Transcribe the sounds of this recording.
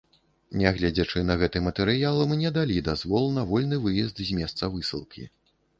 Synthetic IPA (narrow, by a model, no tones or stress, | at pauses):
nʲɛɣlʲɛd͡zʲɐt͡ʂɨnɐɣɛt̪ɨmɐt̪ɛɾɨjalˠɨmnʲɛd̪alʲid̪azvɔlˠnɐvɔlʲnɨvɨjɛzd̪zʲmʲɛst̪sɐvɨsɨ̰lˠkʲḭ